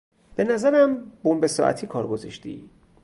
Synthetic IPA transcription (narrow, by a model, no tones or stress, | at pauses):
b̥e̞næzæɾæmbombesɒ̰ːʔæ̰t̪ʰiːkʰɒːɾɡo̞zɒʃt̪ḭː